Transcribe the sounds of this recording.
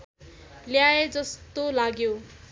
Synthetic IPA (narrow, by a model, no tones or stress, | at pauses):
ljaed͡zʌst̪olaɡjo